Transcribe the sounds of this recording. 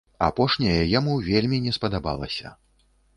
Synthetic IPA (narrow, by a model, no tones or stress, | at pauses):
a̰pɔʂnʲɐjɐjamuvʲelʲmʲinʲɛspɐd̪aba̰lˠɐ̰sʲɐ̰